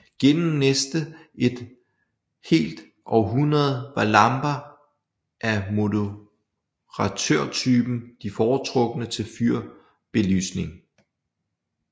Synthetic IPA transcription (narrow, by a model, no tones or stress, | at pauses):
ɡ̥enm̩nesd̥əe̝d̥ | he̝̰ːld̥ | ʔɒ̽ʊɦunɐð̞̩ˠʋɑ̈lɑ̈mb̥ɐ | ʔæmo̝ðə | ʁɑt͡sʰøɐ̰t͡sʰyːb̥n̩d̥ifɒːt͡sʰʁɔ̽ɡ̥ənət͡sʰe̝lfyɐ̰ | b̥e̝ly̰ːsne̝ŋ